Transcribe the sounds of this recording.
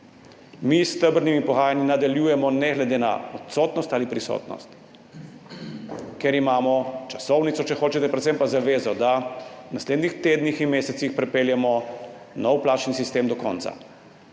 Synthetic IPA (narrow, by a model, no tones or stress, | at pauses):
mist̪əbɾnimipɔɣaːjaninad̪aljuːjɛmɔnɛɣlɛd̪eːna̰ɔt̪sɔːt̪nɔst̪alipɾisɔ̰ːt̪nɔ̰st̪ | kɛɾimaːmɔt͡ʃasɔwnit̪sɔt͡ʃɛxoːt͡ʃɛt̪ɛpɾɛt̪sɛmpazaʋeːzɔd̪awnasleːd̪nixt̪eːd̪nixinmeːsɛt̪sixpɾɛpeːljɛmɔ | nɔwplaːt͡ʃnisist̪eːmd̪ɔkɔ̰ːnt̪sa̰